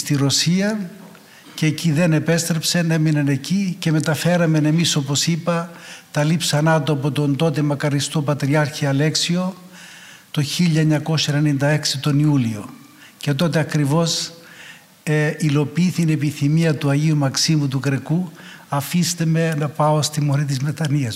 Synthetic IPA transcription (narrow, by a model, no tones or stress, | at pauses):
st̪iɾo̞siɐ | ceeciðe̞ne̞pe̞st̪ɾe̞pseneminɐne̞cice̞me̞t̪ɐfe̞ɾɐme̞ne̞miso̞po̞sipɐt̪ɐlipsɐnɐt̪oɐp̬o̞t̪o̞nd̪o̞t̪emɐkɐɾist̪o̞pɐt̪ɾiɐɾçiɐle̞ksio̞ | t̪o̞çiʎːɐeɲɐko̞sɐenenind̪ɐe̞ksit̪o̞niulio̞ | ce̞t̪̬o̞t̪e̞ɐkɾivo̞s | eilo̞piiθiine̞piθimiɐt̪uɐʝiumɐksimut̪ukɾe̞ku | ɐfist̪eme̞nɐpɐo̞st̪imo̞ɾit̪̬izme̞t̪ɐniɐs